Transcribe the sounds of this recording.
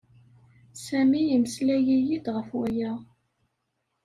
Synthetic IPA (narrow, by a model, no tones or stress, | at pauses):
sæmijiməslæjijid̪ʁəfwæjæ